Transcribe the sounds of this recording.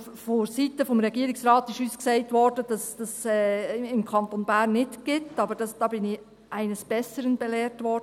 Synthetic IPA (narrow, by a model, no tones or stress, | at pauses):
foɾsitəfɔmɾɛɡiəɾɪksɾɑːtɪʃusksɛɪtʋɔrdəd̥ɑsd̥ɑsɛːɪmkʰɑnt̪onbæːɾnːɪtɡ̥ɪtːɑbəɾd̥ɑsd̥ɑːbɪnɪ | ʔæɪnəsb̥ɛsəɾənbɛlɛːɾtʋɔrd